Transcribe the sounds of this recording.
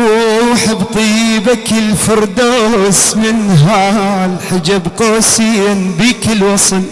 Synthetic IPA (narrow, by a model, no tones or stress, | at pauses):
wħɪbt̪ˤijbakɪlfɑɾˤd̪osmɪnɦalħad͡ʒabqoːsijanbiːkɪlwɑsˤn